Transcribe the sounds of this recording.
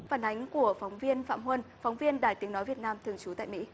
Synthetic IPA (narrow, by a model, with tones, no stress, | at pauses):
faː˧˩nʔa˨˦jŋ̟ku˧˩əfa˨˦wŋ͡mvi˧ənfa̰ː˧˨mhwə˧nfa˨˦wŋ͡mvi˧ənɗaː˧˩jt̪i˨˦əŋnɔ˨˦jvi˨˩ət̚naː˧mt̪ʰɨ˨˩əŋt͡ɕu˨˦t̪a̰ː˧˨jmḭ˧˥